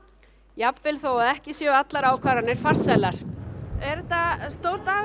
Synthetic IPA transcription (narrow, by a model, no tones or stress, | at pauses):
japvɪlθowaðɛhcɪsjɛat̪laɾaːwkʰvaːɾanɪɾ̥far̥sajlaɾ̥ɛɾt̪ast̪owɾ̥t̪aː